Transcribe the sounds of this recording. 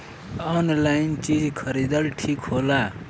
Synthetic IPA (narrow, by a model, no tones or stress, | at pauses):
ɔnlaint͡ʃid͡zkʰʌɾid̪ʌlʈʰikɦola